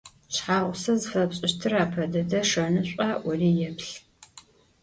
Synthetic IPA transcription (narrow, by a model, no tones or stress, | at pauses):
ɕħaːʁʷʊsɐzfɐpɕʼɪʃtʰɨraːpʰɐdɐdɐʂɐnɨɕʷʼaːwɔriːjɛpɬ